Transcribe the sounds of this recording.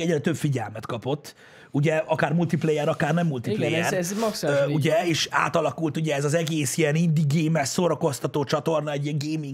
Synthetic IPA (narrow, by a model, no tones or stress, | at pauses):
ɛɟrɛt̪øbfiɟɛlmɛt̪kɒpot̪ː | uɟɛɒkaːrmult̪iplɛjɛɾɒkaːrnɛmːult̪iplɛjɛrksuɟɛeːʃa̰ːt̪ɒlɒkult̪uɟɛːzɒzɛɡeːsijɛnind̪iɡeːmɛssoɾɒko̞st̪ɒt̪oːt͡ʃɒt̪o̞rnɒɛɟiɛŋɡeːmiŋ